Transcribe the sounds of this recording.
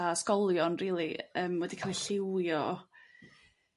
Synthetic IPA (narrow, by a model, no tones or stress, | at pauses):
askɔlˠjɔnriːlˠiəːmwɛdikʰaːlˠiɬɪwjɔ